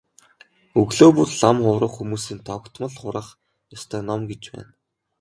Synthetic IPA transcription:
ɵɣɮoːpurɮamχʊɾə̆χxumuːsiːnt̪ʰɔkt̪mə̆ɮχʊɾə̆χ | jɔst̪ʰœːnɔmɡet͡ɕpæ̰ːn

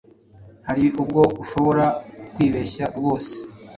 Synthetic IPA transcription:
haɾiʔub̚ɡo̞ɡuʃo̞βo̞ɾakwiːβeçaɾɡo̞ːse̥

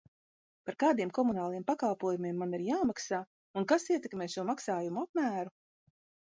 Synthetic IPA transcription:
paɾkaːd̪iɛmkɔmunaːlˠijɛmpakalˠpuɔjumiɛmːaniɾjaːmaksaː | unkasiɛt̪ɛkmɛːʃuɔmaksaːjumuapmæːɾu

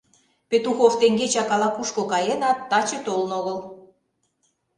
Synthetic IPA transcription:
pet̪uxoft̪eŋɡet͡ɕɑkɑlɑkuʃkokɑjenɑt̪ːɑt͡ɕĕt̪olə̆noɣəl

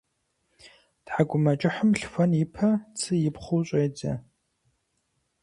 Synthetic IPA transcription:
tħaɡʷʊmɐt͡ʃʼɪħəmɬfʷɐnjɪpʰɐt͡sʰɨjɪpχʷʊwɕʷʼejd͡zɐ̰

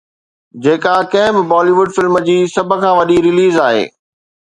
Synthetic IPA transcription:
d͡ʑeːkakɐ̃ɦɪ̃bɪbɔːliʋʊɖfɪlməd͡ʑiːsɐbʱə̆kʰãːʋɐɗiɾɪliːzaːɦḛː

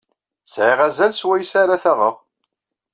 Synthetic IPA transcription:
sʕiʁæzælswæjəsaɾaθæʁəʁ

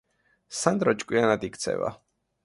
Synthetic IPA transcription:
sand̪ɾɔt͡ʃʼkʼwianad̪ikt̪sʰɛ̰va̰

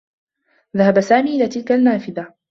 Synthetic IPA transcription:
ðahabasaːmiːʔɪlaːt̪ɪlkanːaːfɪða

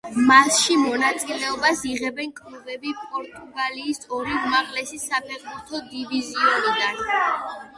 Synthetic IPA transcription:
masʃimɔnat̪sʼilɛɔbasiʁɛbɛnkʼlubɛbipʼɔɾt̪ʼuɡaliːsɔɾiumaqʼlɛsisapʰɛʁbuɾt̪ʰɔd̪iviziɔnid̪an

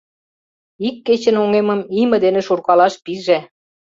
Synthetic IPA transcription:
ikːet͡ɕə̆noŋemə̆mimə̆d̪enĕʃurkɑlɑʃpiʒe

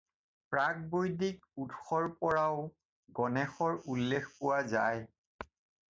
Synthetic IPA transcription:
pɹak̚bojdik̚ | utxɔɹpɔɹaʊ | ɡɔnɛxɔɹulːexpʊwaza̰j

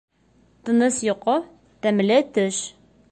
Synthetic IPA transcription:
t̪ɤ̆nɤsjŏqɤ | t̪æmlɘt̪ɵʃ

